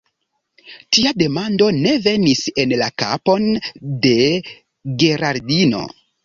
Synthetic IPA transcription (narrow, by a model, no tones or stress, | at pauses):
tiade̞mando̞ne̞ve̞nise̞nlaka̰po̞nde̞ | ɡe̞ɾaɾdino̞̰